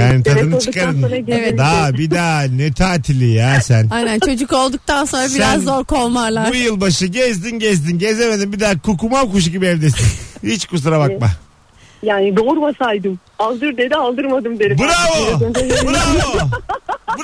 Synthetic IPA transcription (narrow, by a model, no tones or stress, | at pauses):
jaːnit̪ʰad̪ɯnɯt͡ʃɯkaɾɯnaevd̪abid̪aːnɛt̪ʰaːt̪ʰilʲijasænajnænt͡ʃʰo̞d͡ʒuko̞lˠd̪uk̚t̪ʰanso̞nɾabisæanzːoɾkʰolˠmalˠabujɯlˠbaʃɯɟɛzd̪inɟɛzd̪inɟe̞zeme̞d̪imbid̪aːkʰukumamkuʃ̬ɟibiɛvd̪esihit͡ʃkʰus̬ɾabak̚ma | jaːnid̪oɾumasajd̪ɯm | alˠd̪ɯɾd̪ed̪ialˠd̪ɯɾmad̪ɯmd̪eɾibuɾavomebuɾavo | b